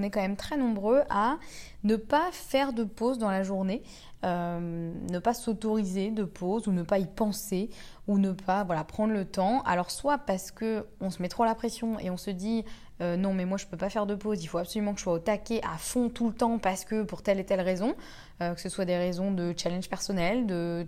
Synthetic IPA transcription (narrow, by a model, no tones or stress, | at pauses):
nɛkɑ̃mɛmt̪χɛnɔ̃bʁøʔanəpafɛʁd̪əpozd̪ɑ̃laʒuʁne | ømnəpasot̪ɔʁized̪əpʰozunəpaipɑ̃se | unəpʰavwalapχɑ̃d̪ʁlət̪ɑ̃a̰lɔʁswapaʁsə̥kəɔ̃səmɛt̪χoalapχesjɔ̃ḛɔ̃səd̪i | ønɔ̃mɛmwaʒəpøpafɛʁd̪əpozilfoapsɔlymɑ̃kəʒ̥əswaot̪akʲeʔafɔ̃t̪ulət̪ɑ̃paʁsə̥kəpuʁt̪ɛlet̪ɛlʁezɔ̃ | økə̥səswad̪eʁezɔ̃d̪ət͡ʃalɛ̃nʒpɛʁsɔnɛld̪ə